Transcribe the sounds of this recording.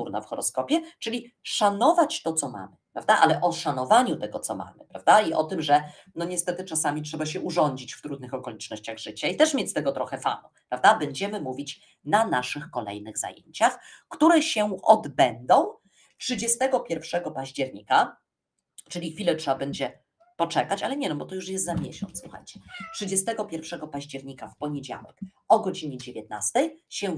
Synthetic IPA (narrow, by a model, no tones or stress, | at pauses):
uɾna̰fxɔɾɔ̰skɔpʲjɛt͡ʂɘlʲi | ʂanɔvat͡ɕt̪ɔt̪sɔma̰mɘpɾa̰vd̪aʔalɛʔɔʂanɔvaɲut̪ɛɡɔt̪sɔma̰mɘ̰pɾa̰vd̪aiʔɔ̰t̪ɘmʐɛ | nɔɲɛst̪ɛt̪ɘt͡ʂasamʲitʂɛbaɕɛʔuʐɔɲd͡ʑit͡ɕft̪ɾud̪nɘxɔkɔlʲit͡ʂnɔɕt͡ɕaɣʐɘt͡ɕait̪ɛʂmʲet͡ɕst̪ɛɡɔt̪ɾɔxɛfa̰nupɾavd̪abɛɲd͡ʑɛmɘmuvʲit͡ɕ | nanaʂɘxkɔlɛ̰jnɘɣza̰jḛɲt͡ɕaxkt̪uɾɛɕɛɔ̰d̪bɛnd̪ɔ̃w̃ | tʂɘd͡ʑɛst̪ɛɡɔpʲjɛɾfʂɛɡɔpaʑd͡ʑɛɾɲika | t͡ʂɘlʲixfʲilɛtʂɛbabɛɲd͡ʑɛ | pɔt͡ʂɛkat͡ɕalɛɲɛnɔbɔt̪ɔjuʂjɛst̪zamʲjɛɕɔ̰nt̪sswuxa̰jt͡ɕɛ̥tʂɘd͡ʑɛst̪ɛɡɔpʲjɛɾfʂɛɡɔpaʑd͡ʑɛɾɲikafpɔɲed͡ʑa̰wɛ̰k | ɔɡɔd͡ʑiɲɛd͡ʑevʲjɛt̪na̰st̪ɛjɕɛ